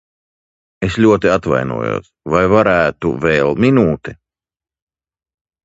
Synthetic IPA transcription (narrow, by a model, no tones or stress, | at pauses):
eslʲuɔt̪iat̪va̰jnṵɔjṵːsvajvaɾæːt̪ṵvɛːlˠminuːt̪ɛ